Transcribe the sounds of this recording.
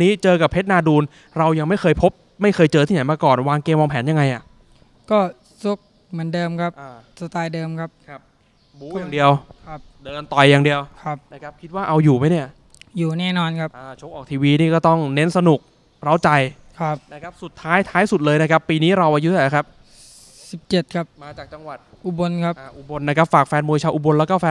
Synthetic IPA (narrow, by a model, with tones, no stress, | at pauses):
niː˦˥t͡ɕɤː˧ka˨˩pʰːe˦˥t̪̚naː˧duː˧n | ɾa˧wja˧ŋma˥˩jkʰɤː˧jpʰo˦˥p̚ma˥˩jkʰɤː˧jt͡ɕɤː˧t̪ʰiː˥˩na˨˦jmaː˧kɔː˨˩nwaː˧ŋkeː˧mːwɔː˧mpʰɛː˩˦nja˧ŋːa˧jʔa˨˩ʔ | kɔː˥˩ | su˦˥k̚ | mɯ˩˦əndɤː˧mkʰa˦˥pʔaː˧sa˧t̪aː˧jdɤː˧mkʰa˦˥p̚kʰa˦˥p̚ | buː˦jaː˨˩ŋdi˧əwkʰa˦˥p̚ | dɤː˧nt̪ɔ˨˩jːaː˨˩ŋdi˧əwkʰa˦˥p̚na˥˩kʰa˦˥p̚kʰi˦˥t̪̚waː˥˩ʔa˧wjuː˨˩ma˦˥jni˥˩ɐ | juː˨˩nɛː˥˩nɔː˧nkʰa˦˥p̚ʔaː˧˩t͡ɕʰoː˦˥kʔɔː˨˩k̚t̪ʰiː˧wiː˧niː˥˩kɔː˥˩t̪ɔ˥˩ŋne˦˥nsa˧nu˨˩k̚ | ɾa˦˥wt͡ɕa˧j | kʰa˦˥p̚na˥˩kʰa˦˥p̚su˨˩t̪ʰːaː˦˥jt̪ʰaː˦˥jsu˨˩t̪̚lɤː˧jna˦˥kʰa˦˥pːiː˧niː˦˥ɾa˧wʔaː˧ju˦˥sːkʰa˦˥p̚ | si˨˩p̚t͡ɕe˨˩t̪̚kʰa˦˥p̚maː˧t͡ɕaː˨˩k̚t͡ɕa˧ŋwa˨˩t̪̚ʔu˧bo˧nkʰa˦˥pʔʔu˧˩bo˧nːa˦˥kʰa˦˥p̚faː˨˩k̚fɛː˧nmoː˧jt͡ɕʰaː˧ʔu˧bo˧nlɛː˦˥kɔː˥˩fɛː˧